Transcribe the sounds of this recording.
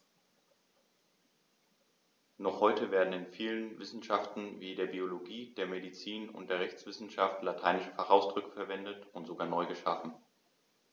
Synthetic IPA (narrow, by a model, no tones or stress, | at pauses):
nɔχhɔʏtəveːɐdn̩ɪnfiːlənvɪsn̩ʃaftn̩viːdeːɐbioloɡiːdeːɐmedit͡siːnʊ̰nt̚d̥eːɐʁɛçt͡sv̥ɪsn̩ʃaftlatʰaɪnɪʃəfaχʔaʊsd̥ʁʏkə̥fɛɐvɛndətʊntz̥oɡaːɐnɔʏɡəʃa̰fn̩